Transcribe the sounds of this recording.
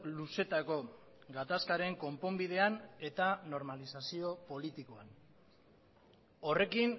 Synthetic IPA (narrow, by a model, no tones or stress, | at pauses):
luse̞t̪ako̞ | ɡat̪askaɾe̞ŋko̞mpo̞mbið̞e̞ane̞t̪ano̞ɾmalisasio̞po̞lit̪iko̞an | o̞re̞kin